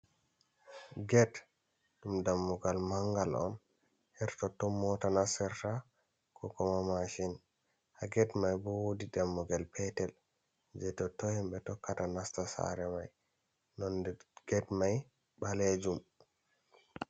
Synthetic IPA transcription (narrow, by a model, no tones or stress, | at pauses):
ɡɛt | ɗumdamːɔɡalmaŋɡalɔ̰n | hɛɾtɔtːɔmːɔtanasɛɾta | kʰɔkɔmamaʃin | haɡɛtmajbɔwodidamːɔɡɛlpʰɛtɛl | d͡ʒɛtɔtɔhimɓɛtɔkːatanastasa̰ɾɛmaj | nɔndɛɡ̥ɛtmaj | ɓaled͡ʒum